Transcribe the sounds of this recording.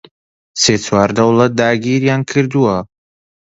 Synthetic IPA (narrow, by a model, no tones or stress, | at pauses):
seːt͡sʰwaːɾd̪ɐwlˠɐt̪̚d̪aːɡiɾjaːnkʰɨɾd̪uwɐ